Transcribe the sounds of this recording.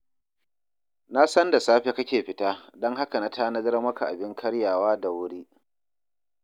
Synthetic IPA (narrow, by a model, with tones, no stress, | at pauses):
na˦sɐ˦nda˨saː˦ɸe˦kɐ˦kʲeː˨ɸɪ˦taː˦dɔ˦ŋɦa˦ka˨na˦taː˦nɐ˦zɐ˦rmɐ˦ka˨ʔa˨bɪ˦ŋkʰɐ˦ɽjaː˨waː˦da˨wʊ˦ɽiː˦